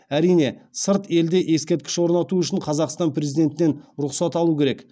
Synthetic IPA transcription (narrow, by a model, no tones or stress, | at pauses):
æɾijne̞səɾt̪e̞ld̪e̞ʔe̞skʲet̪kʲɪ̥ʃwoɾnɑt̪uʏʃɪɴqʰɑzɑqst̪ɑnpɾʲe̞zijd̪e̞nt̪ɪne̞nɾʊqsɑt̪ɑlˠukʲʰe̞ɾek